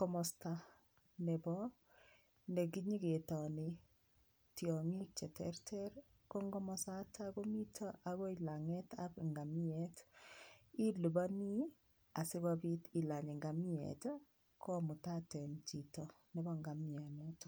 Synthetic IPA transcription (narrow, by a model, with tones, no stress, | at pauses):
kɔ˦mɔsta˦ | nɛ˨bɔ | ndɛ˨ki˦ɲi˦ɡe˨tɔni | tjɔŋi˦k̚t͡ʃɛ˨tɛ̰ɾtʰɛɾ | kɔ˦ŋɡɔ˦mɔsa˦ta˦kɔ˦mi˦tʰaʔa˨ɣɔ˦ila˨ŋɛtapŋɡa˨mi˦ɛt | i˦lu˨ba˦ni˦ | a˨si˦kabiti˨la˨ɲi˨ŋɡa˨mi˦ɛ̰t | kʰɔ˦mu˨ta˦tɛ˨nt͡ʃi˨tɔ˨nɛ˨bɔŋɡa˨mia˨nɛt